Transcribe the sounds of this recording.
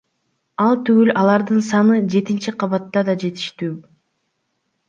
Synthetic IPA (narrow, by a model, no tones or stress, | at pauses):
ɑlˠt̪yɡylɑlˠɑɾd̪ɯnsɑnɯd͡ʒe̞t̪int͡ʃiqʰɑβɑt̪ːɑd̪ɑd͡ʒe̞t̪i̥ʃt̪yː